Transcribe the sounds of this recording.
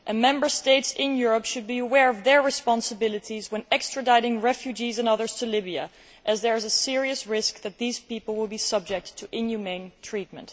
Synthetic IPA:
ʔɨ̃nmɛ̃mbə˞steɪtsɪ̃njʊɹəpʃɨd̚biəwɛɹʌvðəɹɹɨspɑ̃nsəbɪlˠɨɾʰizwə̃nɛkstɹ̥ɨdaɪɾɪ̃ŋɹɛfjʉd͡ʒizɨ̃nʌðə˞z̥tʰɨlɪbiɨ̰ | ʔɨzðə˞ɨzəsɪɹiɨsɹɪsk̚ðɨt̪̚ðiz̥pipl̩ˠwɪlˠbisʌb̚d͡ʒɛk̚tʰːəʔɪ̃njumẽɪ̃ntʰɹ̥it̚mə̃nt

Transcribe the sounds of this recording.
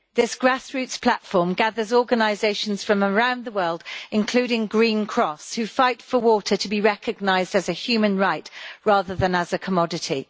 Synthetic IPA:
ðɪsɡ̥ɹasɹʉˑtspʰl̥atfɔːmɡaðəzɔːɡənaɪzeɪʃə̃nz̥fɹə̃məɹãʊ̃nðəwɜːlˠdɪ̃nkʰl̥ʉːɾɪ̃ŋɡɹĩnkʰɹ̥ɒshʉfaɪtfəwɔˑtʰətʰəbiɹɛkəɡ̚naɪzdəzəhjʉːmə̃nɹaɪʔɹɑːðəðə̃nəzəkʰəmɒdɪtʰi

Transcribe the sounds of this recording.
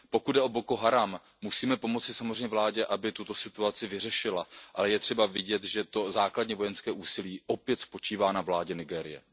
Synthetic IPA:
po̞kud̪̚dɛʔo̞boko̞ɦaɾamː | usiːmɛpo̞mo̞t͡sɪsamozr̝ɛɲɛvlaːɟɛʔabɪt̪ut̪o̞sɪt̪uat͡sɪvɪr̝ɛʃɪlaʔalɛjɛt̪r̥ɛbavɪɟɛt̪ʒɛt̪o̞zaːkladɲɛvo̞jɛnskɛːʔuːsɪliːʔo̞pjɛt̪spo̞t͡ʃiːvaːnavlaːɟɛnɪɡɛːɾɪ̰jɛ̰

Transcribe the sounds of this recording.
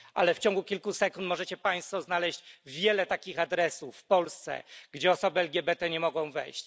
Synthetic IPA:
ʔa̰lɛft͡ɕɔ̃ŋɡukʲilkusɛkunt̪mɔʐɛt͡ɕɛpaj̃st̪fɔznalɛɕd͡ʑvʲjɛlɛt̪akʲixad̪ɾɛsuffpɔlst̪sɛ̰ɡd͡ʑɛɔsɔbɘɛlɡʲɛbɛt̪ɛɲɛmɔɡɔ̃w̃vɛ̰jɕt͡ɕ

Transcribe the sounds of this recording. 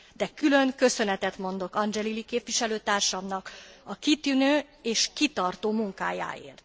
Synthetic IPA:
d̪̥ɛkylø̞ŋkø̞sø̞nɛt̪ɛt̪mo̞nd̪o̞kɒnd͡ʒɛlilikeːpʋiʃɛløːt̪aːrʃɒmnɒkɒkit̪ynøː | eːʃkit̪ɒrt̪oːmuŋka̰ːja̰ːḛːrt̪

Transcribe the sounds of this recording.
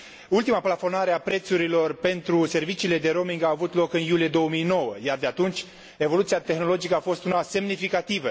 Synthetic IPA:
ult̪imaplafo̞naɾeapɾe̞t̪suɾilo̞rpe̞nt̪ɾuse̞rvit͡ʃiːle̞d̪e̞ɾo̞miŋɡaːvut̪lo̞kɨnjulije̞d̪o̞omijno̞wəjard̪eat̪unt͡ʃʲ | e̞vo̞lut̪siat̪e̞xno̞lo̞d͡ʒikəafo̞st̪unase̞mnifikat̪ivə

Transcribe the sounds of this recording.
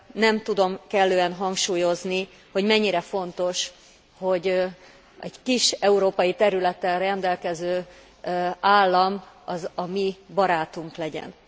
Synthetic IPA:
nɛmt̪ud̪o̞mkɛlːøːɛnɦɒŋkʃuːjo̞zni | ho̞ɟmɛɲːiɾɛfo̞nt̪o̞ʃ | ho̞ɟ | ʔɛɟkiʃɛuɾoːpɒjit̪ɛɾylɛt̪ːɛlrɛnd̪ɛlkɛzøː | aːlːɒmɒzɒmibɒɾaːt̪uŋklɛɟɛ̰n

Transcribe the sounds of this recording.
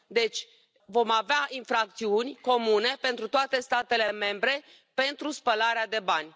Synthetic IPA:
d̪e̞t͡ʃʲ | vo̞maveaʔinfɾak̚t̪siunʲko̞mune̞pe̞nt̪ɾut̪oat̪e̞st̪at̪e̞le̞me̞mbɾe̞ | pe̞nt̪ɾuspəlaɾead̪e̞banʲ

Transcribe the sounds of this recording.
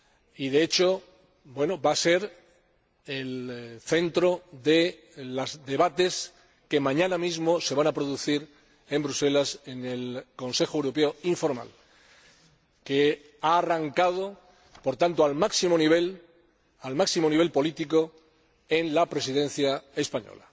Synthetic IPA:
iðe̞et͡ʃo̞ | bwe̞nobase̞ɾ | elθe̞nt̪ɾo̞ðe̞ | lazd̪e̞βat̪e̞s | ke̞mãɲãnamizmo̞se̞β̞anapɾo̞ðuθiɾ | e̞mbɾuse̞lase̞ne̞lko̞nse̞xoewɾo̞peo̞iɱfo̞ɾma̰l | ke̞ | aːraŋkað̞o̞ | po̞ɾt̪ant̪oalmaksimoniβ̞e̞l | almaksimo̞niβe̞lpo̞lit̪iko̞ | e̞nlapɾe̞siðẽ̞n̟θjae̞spaɲo̰la

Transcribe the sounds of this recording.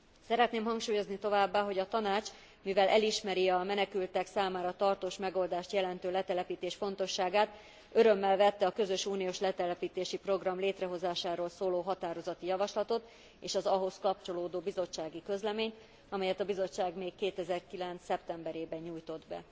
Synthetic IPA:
sɛɾɛt̪neːmɦɒŋkʃuːjo̞znit̪o̞vaːbːaːɦo̞ɟɒt̪ɒnaːt͡ʃ | mivɛlʔɛliʃmɛɾiɒmɛnɛkylt̪ɛksaːmaːɾɒt̪ɒrt̪oːʃmɛɡo̞ld̪aːʃt̪jɛlɛnt̪øːlɛt̪ɛlɛpiːt̪eːʃfo̞n̪t̪o̞ʃːaːɡaːt̪ | ø̞ɾø̞mːɛlvɛt̪ːɛɒkø̞zø̞ʃuːnijoːʃlɛt̪ɛlɛpiːt̪eːʃipro̞ɡrɒmleːt̪rɛɦo̞zaːʃaːɾoːlsoːloːɦɒt̪aːɾo̞zɒt̪ijɒvɒʃlɒt̪o̞t̪ | eːʃɒzɒɦo̞skɒp̚t͡ʃo̞loːd̪oːbizo̞t͡ʃːaːɡikø̞zlɛmeːɲt̪ | ɒmɛjɛt̪ɒbizo̞t͡ʃːaːɡmeːkːeːt̪ɛzɛrkilɛnt̪sːɛpt̪ɛmbɛɾeːbɛɲuːjt̪o̞d̪bɛ̰

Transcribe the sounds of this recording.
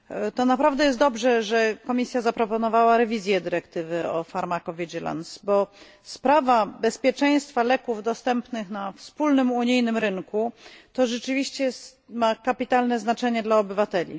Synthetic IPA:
t̪ɔnapɾavd̪ɛjɛst̪d̪ɔbʐɛʐɛkɔmʲisʲjazapɾɔpɔnɔvawaɾɛvʲizʲjɛd̪ɘɾɛkt̪ɘvɘɔfaɾmakɔvʲid͡ʑɛla̰nsbɔ | spɾavabɛspʲjɛt͡ʂɛj̃st̪falɛkuvd̪ɔst̪ɛmpnɘxnafspulnɘmuɲijnɘmɾɘŋkut̪ɔʐɛt͡ʂɘvʲiɕt͡ɕɛsmakapʲit̪alnɛznat͡ʂɛɲɛd̪laɔbɘvat̪ɛlʲḭ

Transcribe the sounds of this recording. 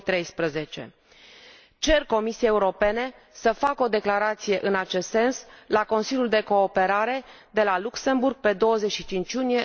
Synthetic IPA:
t̪ɾe̞jspɾəze̞t͡ʃe̞̰ | t͡ʃe̞rko̞misijeeuɾo̞pe̞ne̞ | səfako̞d̪e̞klaɾat̪sije̞ʔɨnat͡ʃe̞st̪se̞nslako̞nsiljuld̪e̞ko̞ːpe̞ɾaɾe̞ | d̪e̞lalukse̞mburɡ̥̚pe̞d̪o̞wəze̞ʃit͡ʃint͡ʃjunije

